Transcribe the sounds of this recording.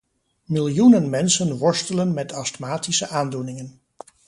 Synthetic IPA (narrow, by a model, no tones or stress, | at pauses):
mɪlˠjunənmɛnsənʋɔɹstələnmɛtʰɑstmaːtisəʔaːndunɪŋən